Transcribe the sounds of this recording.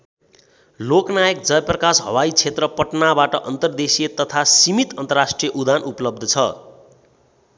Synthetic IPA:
loknajʌkd͡zʌjprʌkasɦʌ̰wajt͡sʰet̪rʌpʌʈnabaʈʌʔʌnt̪ʌrd̪esijet̪ʌt̪ʰasimit̪ʌnt̪ʌrasʈrijʌʔud̪anupʌlʌb̚d̪ʱʌt͡sʰʌ

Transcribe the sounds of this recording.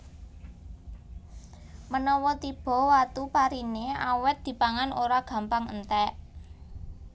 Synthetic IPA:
mənɔwɔt̪ib̥ɔ̤wat̪upaɾineawɛt̪̚d̪̥i̤paŋanoɾaɡ̥ä̤mpaŋə̰nt̪ɛʔ

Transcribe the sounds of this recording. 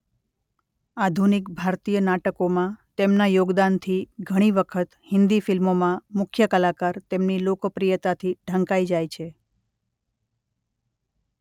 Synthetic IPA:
ad̪ʱunikbʱaɾt̪ijənaʈəkomãt̪emnajoɡd̪ant̪ʰiɡʱəɽ̃iʋəkʰət̪hɪnd̪ifɪlmomãmʊkʰjəkəlakaɾt̪emnilokpɾijət̪at̪ʰiɖʱə̃ŋkaid͡ʒajt͡ʃʰe

